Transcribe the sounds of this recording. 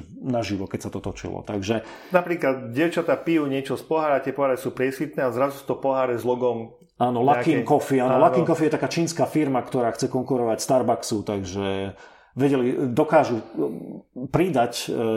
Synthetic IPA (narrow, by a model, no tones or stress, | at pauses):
naʒiʋɔkɛcsat̪ɔt̪ɔt͡ʃḭlɔ̰t̪aɡʒɛ | napɾiːklad̪ɟɛʊt͡ʃat̪apijuːɲɪɛt͡ʃɔspɔɦaːɾat̪ɪɛpɔɦaɾɛsuːpɾɪɛsʋit̪̚nɛːazɾazusu̥t̪ɔpɔɦaːɾɛzlɔɡɔm | aːnɔlakikɔfiaːnɔlakiŋkɔfijɛt̪akaːt͡ʃiːnskaːfiɾmakt̪ɔɾaːxt͡sɛkɔŋkuɾɔʋacst̪aɾbaksut̪aɡʒɛ | ʋɛɟɛlid̪ɔkaːʒu | pɾid̪ac